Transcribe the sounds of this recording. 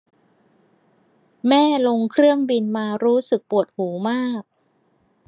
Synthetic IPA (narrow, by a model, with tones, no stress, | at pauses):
mɛː˥˩lo˧ŋkʰɾɯ˥˩əŋbi˧nmaː˧ɾuː˦˥sɯ˨˩k̚pu˨˩ət̪̚huː˩˦maː˥˩k̚